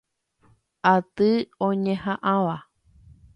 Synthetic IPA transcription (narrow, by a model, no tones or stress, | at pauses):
at̪ɨõɲẽhãʔãʋa